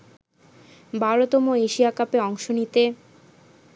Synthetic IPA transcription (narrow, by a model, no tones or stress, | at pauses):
bʱaɾot̪omoeʃiakapeɔŋʃonit̪e